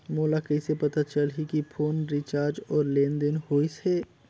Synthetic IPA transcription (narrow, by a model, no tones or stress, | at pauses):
moːlakɛsepɐt̪at͡ʃəlɦikipʰoːnɾit͡ʃaːɾd͡ʒɔːɾlẽːnd̪ɪnhoːise